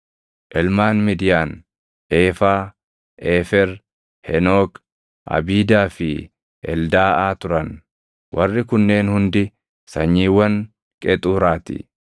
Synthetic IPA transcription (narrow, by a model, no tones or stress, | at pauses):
ʔɛlmaːnmɪd̪ɪjaːn | ʔeːfaː | ʔeːfɛɾ | hɛnoːk | ʔɐ̰biːd̪aːfɪ | ʔɛ̰ld̪aːʔaːt̪ʊɾɐn | wʔɐrːɪkʊnːe̞ːnhʊnd̪ɪ | sɐɲːiːwɐn | kʼɛt̪ʼuːɾaːt̪ɪ̰